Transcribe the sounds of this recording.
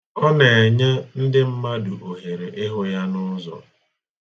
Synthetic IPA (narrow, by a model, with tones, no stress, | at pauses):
ɔ˦ne˨e˨ɲe˦n̩˦dɪ˦m̩˦ma˦dʊ˨ʔo˨ɦe˨ɾe˨ʔɪ˦ɦʊ˦ja˦nʊ˦zɔ̰˨